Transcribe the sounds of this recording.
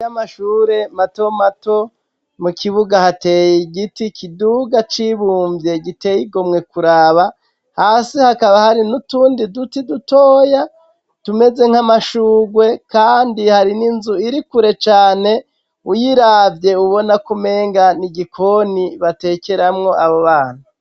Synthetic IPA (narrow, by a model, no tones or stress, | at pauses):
amaʃuːɾe̞mato̞mato̞ | mukʰiβuɡahate̞ːjiɡitikʰiduɡat͡ʃiβuːɱvje̞ɡite̞jiɡo̞mŋe̞kuɾaːβa | haːsihakaβahaɾinutuːndidutidutoːja | tume̞ze̞ŋ̥amaʃuːɡwe̞kaːndihaɾininzuiɾikuɾe̞t͡ʃaːne̞ | ujiɾavje̞uβo̞nakume̞ːŋɡaniɡikʰo̞niβate̞ːkeɾamŋo̞ʔaβoβaːn̥u